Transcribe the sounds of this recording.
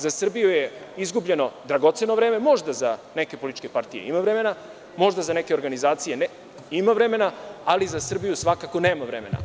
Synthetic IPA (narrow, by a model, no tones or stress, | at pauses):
zasr̩bijujeizɡubʎe̞no̞d̪ɾaɡo̞t̪se̞noʋɾe̞ːme̞mo̞ʒd̪azane̞ke̞polit̪it͡ʃke̞paɾt̪ijḛimavɾeme̞na | mo̞ʒd̪azane̞ke̞o̞ɾɡanizaːt̪sijen | imaʋɾe̞me̞naalizasr̩bijusʋakako̞ne̞ːmaʋɾe̞me̞na̰